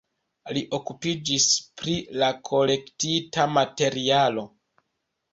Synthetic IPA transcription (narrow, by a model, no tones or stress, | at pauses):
liʔo̞kupid͡ʒispɾilakʰo̞le̞ktitamate̞ɾialo̞